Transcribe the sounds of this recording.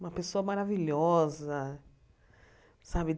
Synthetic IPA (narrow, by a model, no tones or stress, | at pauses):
ũmɐpesoɐmaɾaviʎɔzɐ | sabɪd̪